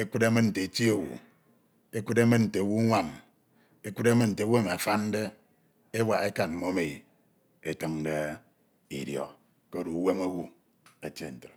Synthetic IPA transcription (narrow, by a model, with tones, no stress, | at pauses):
e˦kʷu˦de˦mɨ˦n̩˨te˨ti˦o˨wṵ˨ | e˦ku˦de˦mɨ˦nn̩˨te˨wu˦ŋʷa˨n | e˦kʷu˦de˦mɨ˦nn̩˨te˨˦we˦m˨a˨fa˦n˦de˦ | e˦wa˨e˦ka˨m̩˦mo˦me˨i˨ | e˦tɨ˦ŋde˦ | ḭ˨djɔ̰˨ | ke˦o˦ɾu˨we˦mo˦wu˦ | e˨t͡ʃe˦˨n̩˨tɨ˨ɾ